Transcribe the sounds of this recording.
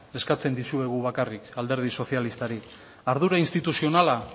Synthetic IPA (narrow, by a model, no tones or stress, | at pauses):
e̞skat͡se̞nd̪isue̞ɣ̞uβ̞akarikald̪e̞ɾð̞iso̞θialist̪aɾi | aɾð̞uɾainst̪it̪usio̞nala